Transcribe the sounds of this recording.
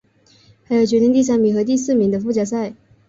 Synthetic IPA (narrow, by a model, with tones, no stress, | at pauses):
xa˧˥ɪjo˧˩ʊt͡ɕɥɛ˧˥ni˧˥ŋt̪̬i˥˧s̬a˥˩mi˨˥xɤ˧˥t̪i˥˧sɹ̩˥˩mi˧˥ŋd̪ə˧fu˥˩t͡ɕjɑ˥˩s̬a˥˩ɪ